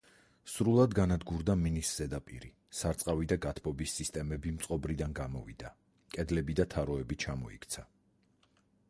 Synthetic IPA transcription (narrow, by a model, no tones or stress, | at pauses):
sɾulˠad̪ɡanad̪ɡuɾd̪aminisz̥ɛd̪apʼḭɾi | saɾt̪sʼqʼavid̪aɡat̪ʰbɔbisːist̪ʼɛmɛbimt̪sʼqʼɔbɾid̪anɡamɔvid̪a | kʼɛd̪lɛbid̪at̪ʰaɾɔɛbit͡ʃʰamɔikʰt̪sʰa